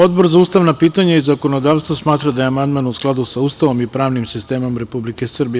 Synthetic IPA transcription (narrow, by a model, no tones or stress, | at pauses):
o̞d̪bo̞ɾzauːst̪aʋnapiːt̪aɲaizako̞no̞d̪aːʋst̪vosmaːt̪ɾad̪ajeamand̪maːnusklˠad̪usaust̪aʋo̞mipɾaːʋnimsist̪e̞ːmo̞mɾe̞publikesr̩bij